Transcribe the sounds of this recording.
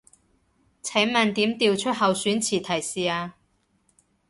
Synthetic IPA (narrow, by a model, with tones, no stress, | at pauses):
t͡sʰɛː˨˥ŋmɐ˨˧nt̪iː˨˥mt̪iː˧wt͡ʃʰɵ˥t̚hɐ˨˧wsyː˨˥nt͡sʰiː˨˩t̪ʰɐ˨˩jsiː˨aː˧